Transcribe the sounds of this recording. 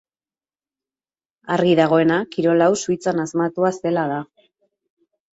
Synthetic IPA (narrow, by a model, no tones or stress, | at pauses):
ariðaɣ̞o̞e̞nakiɾo̞lawsuit͡sanazmat̪uase̞laða